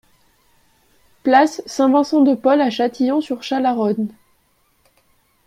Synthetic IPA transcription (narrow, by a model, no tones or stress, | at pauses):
plasːɛ̃vɛ̃sɑ̃d̪əpɔlaʃat̪ijɔ̃syʁʃalaʁɔn